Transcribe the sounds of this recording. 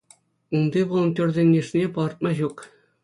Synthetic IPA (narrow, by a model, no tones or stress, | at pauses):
und̪ʲeʋolˠnt̪ʲorʲdʲĕŋnʲːĕʂnʲepɑrt̪̚mɑʑuk